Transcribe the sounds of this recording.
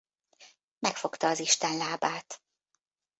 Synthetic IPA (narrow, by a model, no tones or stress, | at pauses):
mɛkfo̞kt̪ɒːziʃt̪ɛnlaːbaːt̪